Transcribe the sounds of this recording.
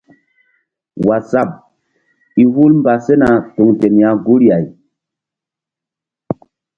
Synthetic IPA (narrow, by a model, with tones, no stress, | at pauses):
wa˨sa˦˨p̚ | i˨hu˦lmba˨se˦na˨tu˨ŋte˨nja˨ɡu˦ɾja˨j